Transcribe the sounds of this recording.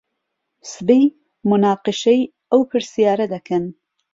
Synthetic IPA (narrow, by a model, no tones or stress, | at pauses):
sbij | mʊnaːqɨʃej | ɐwpʰɨɾsijaːɾɐd̪ɐkʰɐn